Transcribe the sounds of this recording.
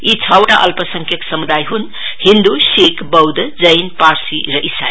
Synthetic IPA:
it͡sʰəwʈaʔʌlpəsəŋkʰjʌksəmud̪ajɦun | hind̪uʃekʰbʌwd̪d͡zəjnpaɾsiɾʌʔisa̰

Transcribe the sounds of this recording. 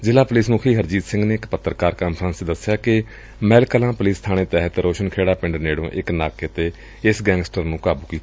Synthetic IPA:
zɪlaːpʊliːsmuːkʰiːɦəɾd͡ʒiːt̪sɪ̃ŋɡneːɪkpət̪ːɾkaːɾkaːmpʰɾə̃nsed̪əsɪjaːkɪ | mɛːlkəlãːpʊliːst̪ʰaːɽ̃eːt̪ɛːɦət̪ɾoːʃənkʰeːɽaːpɪ̃ɳɖəneːɽõːʔɪknaːkeət̪eː | ɪsɡɛ̃ːŋɡsʈəɾnũːkaːbuːkiːt̪ː

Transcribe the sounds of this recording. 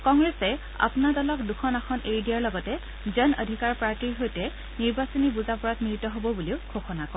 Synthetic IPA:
kɔŋɡɹesɛ | a̰pnadɔlɔkduxɔnaxɔnʔejdijaɹlɔɡɔtɛ | zənə̰dʱikaɹpɹaɹtiɹɦojtɛ | niɹbasɔnibuzapɔɹatmɹitɔɦobɔbuliʊkʰoxɔnakɔ

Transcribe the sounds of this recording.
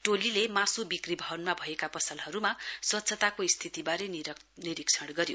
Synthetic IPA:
ʈolilemasubikribʱʌɦʌnmabʱʌekapʌsʌlɦʌɾumaswʌt̪ːsʰʌt̪akoist̪ʰit̪ibaɾen | niɾikt͡sʰʌɽɡʌɾjo

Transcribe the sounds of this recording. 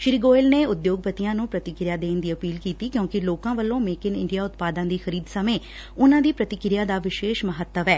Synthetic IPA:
ʃɾiːɡoːɪlneːʊd̪joːɡ̚pət̪ijãːnũːpɾət̪ɪkɾjaːd̪eːnd̪iːəpiːlkiːt̪iːkjõːkɪloːkãːʋəlːõːmeːkɪnɪ̰ɳɖijaːʊt̪paːd̪ãːd̪iːxəɾiːd̪səmẽː | ʊnãːd̪iːpɾət̪ɪkɾɪjaːd̪aːʋɪʃeːʃməɦət̪ːəʋɛː

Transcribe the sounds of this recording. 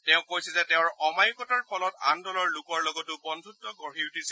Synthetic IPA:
tɛʊ̃kojsɛzɛtɛʊ̃ɹɔmajkɔtaɹpʰɔlɔta̰ndɔlɔɹlukɔɹlɔɡɔtʊbɔndʱutːɔɡɔɹiutis

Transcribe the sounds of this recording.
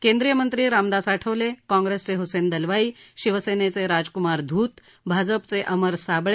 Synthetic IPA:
kẽnd̪ɾijəmənt̪ɾiːɾamd̪asaʈʰəʋlekɔ̃ŋɡɾest͡seɦosend̪əlʋaiːɕiʋəsenet͡seɾad͡zkumaɾd̪ʱuːt̪ | bʱad͡zəpt͡seʔəməɾsabɭe

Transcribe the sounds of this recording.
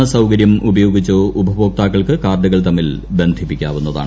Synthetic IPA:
ɐsɐwkɐɾjɐmubɐjo̞ːɡit͡ɕːoːubʱɐboːk̚t̪aːkːɐɭkɨkaːrd̪ɐɣɐɭt̪ɐmːilbe̞nd̪ʱipːikʲːa̰ːʋunːɐða̰ːɳ

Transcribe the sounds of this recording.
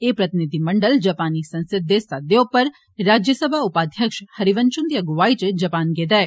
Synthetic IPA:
eːpɾɐt̪ɪnɪd̪ʱimɐ̃ɳɖəld͡ʒɐpaːnisɐ̃nsɪd̪ːesaːd̪jõpɐɾː | aːd͡ʒjəsəbʱaʊpaːd̪ʱjəkʃhɐɾiʋənt͡ʃʊ̃nd̪iɐɡʊʋaːit͡ʃd͡ʒɐpaːnɡeːd̪ae

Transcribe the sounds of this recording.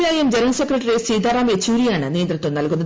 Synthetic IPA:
jaːjemd͡ʑeɾɐnsekːrɐʈːɐɾest͡ɕejd̪aːɾaːmet͡ɕːuːɾijaːɳɨne̞ːnd̪rɐtt̪ːomnɐlkunːɐ

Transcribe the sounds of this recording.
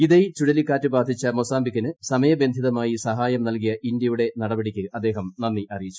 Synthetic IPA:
iðɐjt͡ɕuɽɐlikːaːtːɨbaːd̪ʱit͡ɕːɐmo̞saːmbikʲːɐnɨsɐmɐjɐbe̞nd̪ʱiðɐmaːjisɐɦaːjɐmnɐlk̬ijɐʔind̪jɐjuɽe̞nɐɽɐbɐɽikʲːɨʔɐd̪ːe̞ːɦɐmnɐnːiʔɐrijit͡ɕːu̥

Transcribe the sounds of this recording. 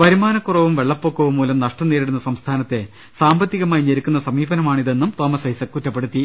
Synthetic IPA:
ʋɐɾimaːnɐkːurɐʋumʋe̞ɭːɐpːoːkːɐʋumːuːlɐmnɐʂʈɐnːeːɾiɽunːɐsɐmst̪ʰaːnɐt̪ːe̞ | saːmbɐt̪ːiɣɐmaːjɲɐɾikʲːunːɐsɐmiːbɐnɐmaːɳiðe̞nːumt̪o̞ːmɐsɐjsɐkːutːɐpːeɽut̪ːi

